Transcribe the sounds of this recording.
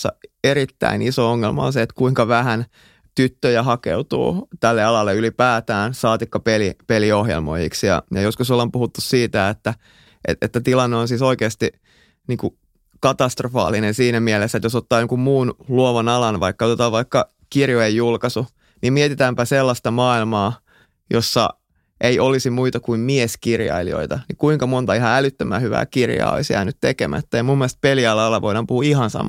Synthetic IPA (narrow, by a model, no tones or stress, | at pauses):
ɑ̰eɾit̪ːæ̰inisooŋːelmɑ̰o̰nseet̪kuiŋkɑʋæhæn | t̪yt̪ːøjæhɑkḛut̪ṵːt̪ælːeɑlɑlːeylipæːt̪æːnsɑːt̪ikːɑpelipeliohjḛlmo̰jḭksjɑ̰jɑjoskusolːompuhut̪ːussiːt̪æet̪ːæ | ʔḛḛt̪ːæt̪ilɑnːeonsiːsoikeːst̪i | niːŋku | kɑt̪ɑst̪rofɑ̰ːlinensiːnæmielesːæet̪josot̪ːɑːjoŋkummuːnluoʋɑnɑlɑnʋɑ̰ikːɑot̪et̪ɑːʋʋɑikːɑ | kirjoejːulkɑsu | nimiet̪it̪æːmpæselːɑst̪ɑmɑːilmɑː | josːɑ̰ | ʔeiʔolisimuit̪ɑkuimmieskirjɑ̰ilḭo̰it̪ɑnikuiŋkɑmont̪ɑihɑælyt̪ːømæ̰ːhyʋæ̰ːkirjɑ̰ːo̰isjæ̰ːnyt̪t̪ekḛmæ̰t̪ːæjɑmumːielest̪̚peliɑlːɑɑlːɑʋoiɾɑmpuhuːihɑnsɑ̰mɑ